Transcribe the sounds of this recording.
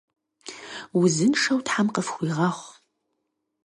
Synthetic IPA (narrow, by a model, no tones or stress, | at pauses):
wʊzɨnʂɐwtħamqəfxʷiʁɐχʷ